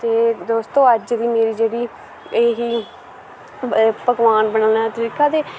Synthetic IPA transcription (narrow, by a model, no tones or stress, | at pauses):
t̪eːd̪oːst̪õːəd͡ʒʋiːmeːɾiːd͡ʒeːɽiː | eːɦiː | pəɡʋaːnbəɳəlɛːt̪əɾiːkaːt̪eː